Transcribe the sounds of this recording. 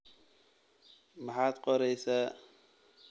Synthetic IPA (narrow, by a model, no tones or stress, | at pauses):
maħat̪qʼɔɾɛjsɐ